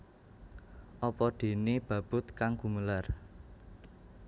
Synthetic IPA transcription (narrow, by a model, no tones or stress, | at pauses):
ʔɔpɔɖ̪̥e̤neb̥ä̤b̥ʊ̤t̪kaŋkuməlar